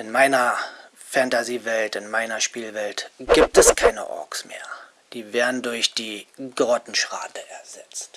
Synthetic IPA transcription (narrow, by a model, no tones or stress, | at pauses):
ʔɪnmaɪnɐ | fantaziːvɛltɪnmaɪnɐʃpiːlvɛltɡ̥iːp̚tɛskʰaɪnə̰ʔɔ̰ksmḛːɐ | d̥iːveːɐdn̩dʊɐçd̥iːɡ̥ʁɔtn̩ʃʁ̥a̰ːtəʔɛɐzɛt͡st